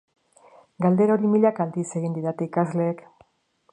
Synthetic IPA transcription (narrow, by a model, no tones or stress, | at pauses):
ɡald̪e̞ɾo̞ɾimiʎakald̪ise̞ɣind̪iɾat̪eikazle̞ːk